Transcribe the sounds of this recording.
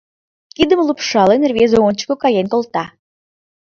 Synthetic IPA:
kʲid̪əməlˠupʃɑlˠənʲervʲezoont͡ɕkokɑjenʲkolˠt̪ɑ

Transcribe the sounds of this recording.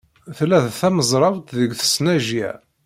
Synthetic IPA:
θlːæðθæməzˤɾˤɑvt̪ðəɡθə̥snæʒiʕ

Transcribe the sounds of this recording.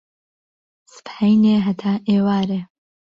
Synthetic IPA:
sɨ̥pħɐjneːɦɐt̪ʰaːʔeːwaːɾeː

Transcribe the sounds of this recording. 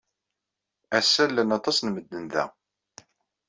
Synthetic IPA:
æsːælːænɑt̪ˤɑsnməd̪ːənðæ̰

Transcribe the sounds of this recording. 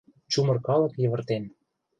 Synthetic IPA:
t͡ɕumɤ̆rkɑlɤ̆kjɤ̆βə̆rt̪en

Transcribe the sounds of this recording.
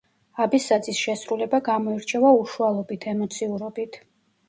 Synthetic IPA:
abisad̪zisʃɛsɾulɛbaɡamɔiɾt͡ʃʰɛvauʃualˠɔbit̪ʰɛmɔt̪sʰiuɾɔbit̪ʰ

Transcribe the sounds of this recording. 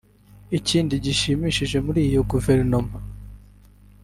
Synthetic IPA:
iciːndiɟiʃimiʃiʒe̞muɾiːjoɡuve̞ɾnoma

